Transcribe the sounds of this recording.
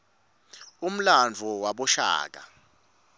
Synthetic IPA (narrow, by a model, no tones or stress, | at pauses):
um̩land͡vʱuwaɓɔʃa̰ːk̬a̰